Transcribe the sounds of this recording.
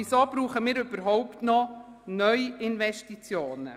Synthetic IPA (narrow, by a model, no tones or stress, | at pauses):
isoːb̥ɾuːχəmiːɾɵb̥əɾɦɔʊptnɔ | nœʏɪnʋɛʃtit͡sjoːnə̰